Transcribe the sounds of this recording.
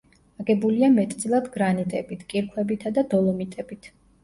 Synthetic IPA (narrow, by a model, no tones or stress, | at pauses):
aɡɛbuliamɛt̪ʼd̪zʼilˠad̪ɡɾanit̪ʼɛbit̪ʰkʼiɾkʰwɛbit̪ʰad̪ad̪ɔlˠɔmit̪ʼɛbit̪ʰ